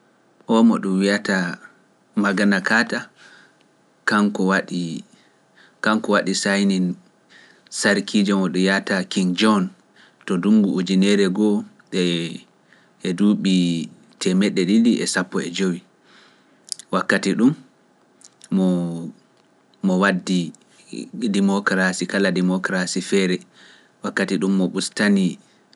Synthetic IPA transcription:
ʔɔmɔɗumwiata | maɡanakaːta | kankɔwaɗi | kaŋkɔwaɗisajnin | saɾkʰid͡ʒɔmɔɗujatakiŋd͡ʒɔn | tɔduŋɡuud͡ʒinɛɾɛɡɔ | ɗɛ | ʔɛduːɓi | tʰɛmɛɗːɛɗiliʔɛ̰sapːɔɛ̰d͡ʒowi | wakːatiɗum | ɔ | ɔwadːi | dimɔkɾasikaladɛmɔkɾasifɛɾɛ | wakːatiɗumːɔɓustani

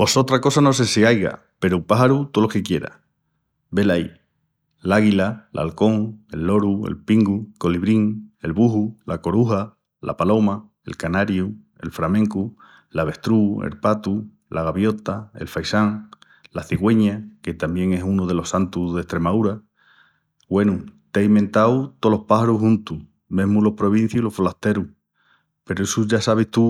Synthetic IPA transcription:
o̞so̞t̪ɾako̞sano̞s̬e̞siajɣa̰ | pe̞ɾupaɦaɾut̪olokekje̞ɾa̰ | be̞laj | laɣilalʔa̰lko̞ŋe̞̰lːo̞ɾue̞̰lpiŋɡuko̞liβɾiŋe̞lβuɦulako̞ɾuɦa | la̰palo̞ma | e̞̰lkanaɾju | e̞̰lfɾamẽ̞ŋku | laβe̞ht̪ɾuḛlpat̪u | lʔaɣaβjo̞t̪ae̞̰lfajsaŋ | laθiɣwe̞ɲake̞t̪ambje̞ŋe̞sunoð̞e̞lo̞sant̪uðe̞ht̪ɾe̞maðuɾa | ɡwe̞nut̪aiment̪awt̪o̞lo̞hpaɦaɾuɦũnt̪u | mẽ̞ɦmulo̞hpɾo̞β̞in̟θjulo̞folaht̪e̞ɾu | pe̞ɾoesuʝasaβeht̪u

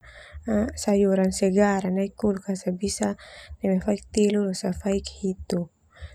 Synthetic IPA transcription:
asajuɾansɛɡaɾanaikulkasabisanimafaik̚t̪ilulusafaikhit̪u

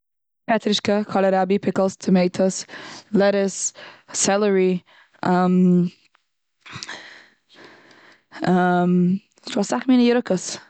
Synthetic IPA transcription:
pʰɛt̪ʰɾɪʃkəkʰɔləɾabipʰɪkəlˠst̪ʰəmeːtʰəslɛɾɪsː | ɛləɹi | ʔəm | əm | sɔsaxmiːnəjəɾəkəs

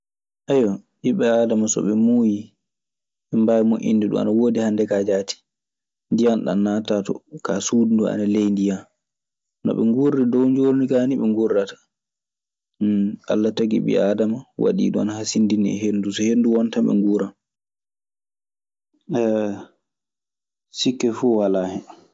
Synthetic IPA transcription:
ʔajwɔʔiɓɛaːdamasɔ̰ɓɛmuːji | ɓɛmbajmoʔḭnːdɛɗṵma̰nawoːdihandɛkad͡ʒati̥ | ndijanɗa̰nnːaːtatɔ̰kasuːdundua̰nalejndijan | nɔ̰ɓɛ̰ŋɡurːidɔwɲd͡ʒoɾnikaniɓɛŋɡurːatḁ | ʔalːatoɡḭɓɛ̰adamawa̰ɗḭːɗua̰nahasindiniɛ̰ɦendusɔhenduwɔntaɓɛ̰ŋɡuɾan | ɛ | sikːɛfuwalahɛ

